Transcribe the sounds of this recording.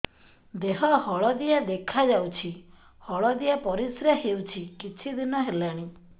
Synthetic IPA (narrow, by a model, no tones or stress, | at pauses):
d̪eɦɔhɔɭɔd̪iad̪ekʰad͡ʒawt͡ʃʰi | hɔɭɔd̪ijapɔɾisɾaɦewt͡ʃʰikit͡ʃʰid̪inɔɦelaɽ̃i